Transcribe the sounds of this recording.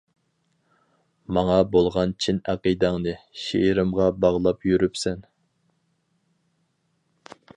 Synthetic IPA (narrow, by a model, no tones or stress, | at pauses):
mɑŋɑbolˠʁɑnt͡ʃʰinæqid̪ɑŋnɨʃiɾɪmʁɑbɑʁlˠɑpjyɾypsɛn